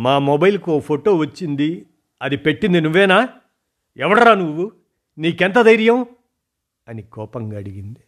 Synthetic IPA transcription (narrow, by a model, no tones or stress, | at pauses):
maːmɔbɐjlkuoːpʰoʈoːʋɐt͡ʃːind̪i | ɐd̪ipe̞ʈːind̪inuʋːɛːnaː | ɛʋɐɽɐɾaːnuʋːu | niːkɛnt̪̬ɐd̪ɐjɾjɐm | ɐnikɔːpɐŋɡaːɽiɡind̪i